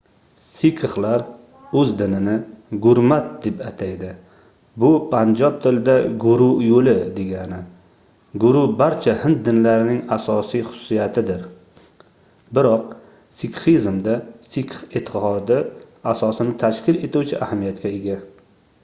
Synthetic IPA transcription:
sikʰɨχlaɾ | ɵzd̪ɪnɪnɪɡʊɾmat̪̚d̪e̞pat̪ʰajd̪ɪ | bʊpʰand͡ʒɒp̚t̪ʰɪlɪd̪aɡʊɾʊjolɪd̪e̞ɡʲanɪ | ɡʊɾʊbaɾt͡ʃʰahɪnt̪̚d̪ɪnlaɾɪnɪŋasɒsijχʊ̥sʊ̥sijat̪ʰɪd̪ɪɾ | bɪɾɒq̚ | sikχizmd̪asikʰχit̪ʰːɪhɒd̪ɪasɒsɪnɪt̪ʰaʃkʲɪle̞t̪ʰuwt͡ʃʰɪʔahamijat̪kʲaeɡʲa

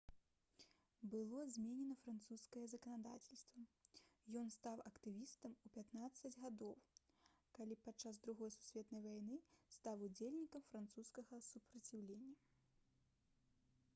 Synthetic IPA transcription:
bɨlˠɔzʲmʲenʲɛnɐfɾant̪suskɐjɛzɐkɐnad̪a̰t͡sʲɛlʲst̪vɐjɔnst̪awʔɐkt̪ɨvʲist̪ɐmupʲat̪nat̪sːɐd͡zʲɣad̪ɔw | kalʲipatt͡ʂːazd̪ɾuɣɔjsu̥sʲvʲɛt̪nɐjvajnɨst̪awud͡zʲelʲnʲikɐmfɾant̪suskɐɣɐsupɾɐt͡sʲiwlʲenʲːɐ

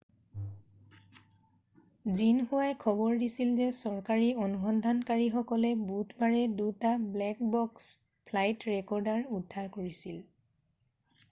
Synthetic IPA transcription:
zinxuwajkʰɔbɔɹdisilzɛsɔɹkaɹionuxɔndʱankaɹixɔkɔlɛbutʰbaɹɛdutablɛkbɔks | pʰlajtɹɛkɔɹdaɹudʱːaɹkoɹisil

